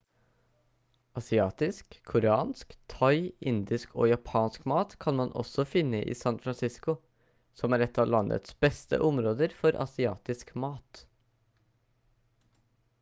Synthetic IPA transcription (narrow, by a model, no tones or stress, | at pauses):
ʔɑsɪɑːt̪ɪskʰːʊɾɛɑːnskt̪ʰɑɪɪnd̪ɪskʰo̰ːjɑpʰɑːnskmɑːt̪kʰɑnmɑnʔɔ̰sɔfɪnːəʔḭːsɑnfɾɑnsɪskʊ | sɔmæːɾɛt̪ʰːɑːʋlɑnʔə̰t̪sbɛst̪ə̰ʔɔmɾoːd̪əɾfɔɾʔɑ̰sɪɑːt̪ɪskmɑːt̪